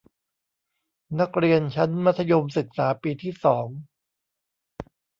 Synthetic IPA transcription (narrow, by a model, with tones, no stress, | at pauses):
na˦˥k̚ɾi˧ənt͡ɕʰa˦˥nma˦˥t̪ʰːa˧jo˧msɯ˨˩k̚saː˩˦piː˧t̪ʰiː˥˩sɔː˩˦ŋ